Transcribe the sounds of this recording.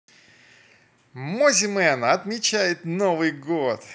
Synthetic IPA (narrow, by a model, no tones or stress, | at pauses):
mozʲɪmɛnəɐt̪mʲɪt͡ɕæjɪt̪novɨjɡot̪